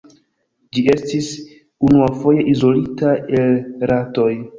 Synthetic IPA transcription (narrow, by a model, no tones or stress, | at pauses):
d͡ʒie̞stis | unuafo̞je̞ʔizo̞litaelɾato̞j